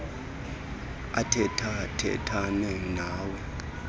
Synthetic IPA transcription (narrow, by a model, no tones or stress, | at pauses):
a̰tʰɛtʰatʰɛ̰tʰanɛnaːwɛ